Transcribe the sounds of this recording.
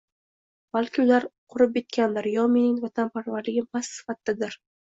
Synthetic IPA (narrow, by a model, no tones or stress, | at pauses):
b̥alˠkʲʰɪʊlaɾqʰʊɾɪp̚et̪̚kʲand̪aɾjɒmɪnɪŋvat̪ʰanpʰaɾvaɾlɪɡʲɪpʰasːɪ̥fat̪ʰːɪd̪ɪɾ